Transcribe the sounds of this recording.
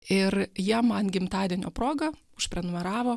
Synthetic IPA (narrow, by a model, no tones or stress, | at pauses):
ɪrjiɛmɐnɡʲɪmt̪ɑːd̪ʲiɛnʲoːpɾoːɡɐʊʃpʲɾʲɛnʊmʲɛɾɑːʋoː